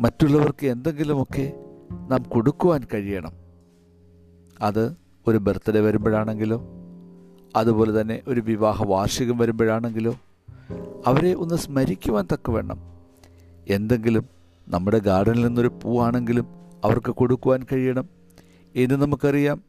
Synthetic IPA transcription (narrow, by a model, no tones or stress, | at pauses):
mɐtːuɭːɐʋɐrkɨe̞nd̪e̞ŋɡilumo̞kːe̞naːmko̞ɽukːuʋaːnkɐɻijɐɳɐm | ɐðɨ | o̞ɾubert̪ːɐɾeʋɐɾumbɐɻaːɳe̞ŋɡilo̞ː | ɐðupo̞ːle̞t̪ɐnːe̞ʔo̞ɾuʋiʋaːɦɐʋaːrʂjɐɣɐmʋɐɾumbɐɻaːɳe̞ŋɡilo̞ː | ɐʋɐɾe̞ʔo̞nːɨsmɐɾikʲːuʋaːnt̪ɐkːɐʋe̞ːɳɐ̰m | e̞nd̪e̞ŋɡilum | nɐmːuɽe̞ɡaːɖɐnilninːo̞ɾupuːaːɳe̞ŋɡilumɐʋɐrkɨkoɽukːuʋaːnkɐɻijɐɳɐm | enːɨnɐmukːɐrijaːm